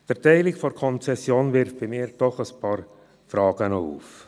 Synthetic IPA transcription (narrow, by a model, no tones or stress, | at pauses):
d̥əɾtɛɪlɪkfɔɾkʰɔnt͡sɛsjoːnvɪɾfb̥imɪːɾd̥ɔχəspʰɑːɾ | fɾɑːɡ̥ənɔṵːf